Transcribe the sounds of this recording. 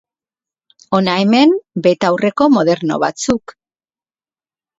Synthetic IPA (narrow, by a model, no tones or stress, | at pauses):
o̞naeme̞mbe̞t̪awre̞ko̞mo̞ðe̞ɾno̞̰βa̰t͡suk